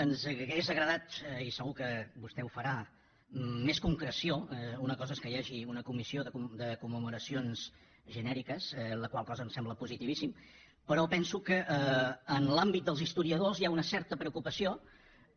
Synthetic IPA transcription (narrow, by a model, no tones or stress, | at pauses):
ənzəɣezəɣɾəðat̪isəɣukəbust̪ɛufəɾaː | eskuŋkɾəsioɛunəkɔzəeskəjaʒiunəkumisioðəkumd̪əkumːəmuɾəsionz̥ | ʒənɛɾikəsɛləkwalˠkɔzənsɛmbləpuzit̪iβisim | pəɾɔpɛnsukəʔəːnlambit̪̚d̪əlˠzist̪uɾiəðozjaunəsɛɾt̪əpɾəukupəsio